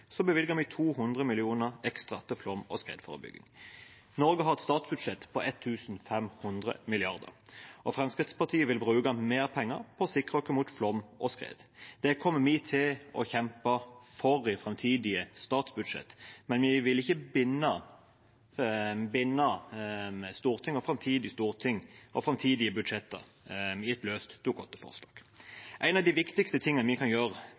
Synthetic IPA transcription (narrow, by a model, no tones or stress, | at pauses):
sɔbəʋɪlɡəɾmɪt̪ʰuːɦʉnd̪ʁəmɪlɪuːnəʁɛkst̪ʁɑt̪ʰɪlflɔmɔ̰skʁḛːd̪fɔ̰ʁə̰bʏ̰ɡːɪ̰ŋ | nɔɾɡəɦɑɾɛt̪st̪ɑːt̪sbʉd̪ʂɛt̪pʰɔʔɛt̪ʰːʉːsn̩fɛmhʉnd̪ʁə̰mɪlɪɑʁd̪ə̰ɾʔɔfɾɛmskʁɪt̪spɑʁt̪ʰiːəʋɪlbʁʉːkɑmeːʁpʰɛŋːəɾpʰɔɔsɪkːʁəɔkːəmuːt̪flɔmːʔɔskʁḛːd̪d̪̥ɛkʰɔmːəmɪt̪ʰɪlɔ̰çɛmpɑfɔɾɪfɾɛmt̪ʰiːd̪ɪəst̪ɑːt̪sbʉd̪ʂɛ̰t̪ːmɛnʋɪʋɪlɪçːəbɪnːə | bɪnːə | st̪uːʁt̪ʰɪŋɔfɾɑmt̪ʰiːd̪ɪst̪uːʁt̪ʰɪŋːɔfʁɛmt̪ʰiːd̪ɪəbʉd̪ʂɛt̪ːə̰ | ɪɛt̪løːst̪t̪ukʰɔt̪ːəfɔ̰ʁslɑ̰ːɡ̥ʔæɪnɑʋd̪ɪʋɪkt̪ɪkst̪ət̪ʰɪŋːənəʋɪkʰɑnjøːɾə